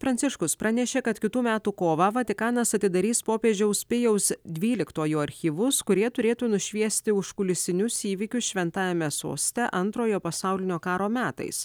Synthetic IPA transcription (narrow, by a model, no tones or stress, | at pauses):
fɾɐnʲtsʲɪʃkʊspɾɑnʲɛʃʲeːkɐt̪kʲɪt̪uːmʲæːt̪uːkoːʋɑʋɐt̪ʲɪkɑːnɐsɐt̪ʲɪd̪ɐɾʲiːspoːpʲeːd͡ʒʲɛʊspʲɪjɛʊsd̪ʲʋʲiːlʲɪkt̪oːjuɐɾʲxʲiːʋʊskʊɾʲiɛt̪ʊɾʲeːt̪uːnʊʃʲʋʲiɛsʲt̪ʲɪʊʃkʊlʲɪsʲɪnʲʊsiːʋʲɪkʲʊsʃʲʋʲɛnt̪ɑːjɛmʲɛso̰ːsʲt̪ʲɛʔɐnt̪ɾoːjoːpɐsɑʊlʲɪnʲoːkɑːɾoːmʲæːt̪ɐ̰ɪs